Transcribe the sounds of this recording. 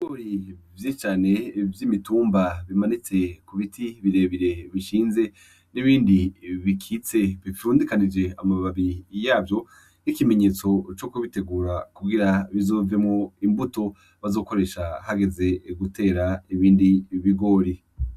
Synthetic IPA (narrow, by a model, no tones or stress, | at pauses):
iɡoːɾivjet͡ʃaːne̞vjimituːmbaβimanit͡se̞kuβitʰiβiɾe̞βiɾe̞βiʃiːnze̞ | niβiːndiβikʰit͡se̞βifuːndikanid͡ʒe̞amaβaβijaːbjo̞ | ikime̞ɲe̞ːt͡so̞t͡ʃo̞kuβite̞ɡuːɾakuɡiɾaβizo̞ːvemŋoimbuto̞ | βazo̞ːko̞ɾe̞ːʃahaɡe̞ze̞ɡute̞ːɾaiβiːndiβiɡo̞ːɾi